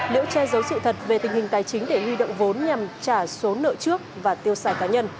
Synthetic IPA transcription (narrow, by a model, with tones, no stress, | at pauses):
nḛ˧˨˦wt͡ɕɛ˧zə˨˦wsɨ̰˧˨t̪ʰə˨˩t̚ve˨˩t̪ï˨˩ŋ̟hï˨˩ŋ̟t̪aː˨˩jt͡ɕï˨˦ŋ̟ɗe˧˩hwi˧ɗo̰˧˨wŋ͡mvo˨˦nɲa˨˩mt͡ɕaː˧˩so˨˦nːə̰ː˧˨t͡ɕɨ˦˥ək̚vaː˨˩t̪i˧əwsaː˧˩jkaː˨˦ɲə˧n